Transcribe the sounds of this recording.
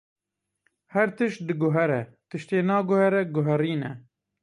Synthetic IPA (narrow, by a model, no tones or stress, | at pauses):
hɛɾt̪ɨʃt̪̚d̪ɨɡʊɦɛɾɛt̪ɨʃt̪eːnɑːɡʊhɛɾɛɡʊɦɛɾiːnɛ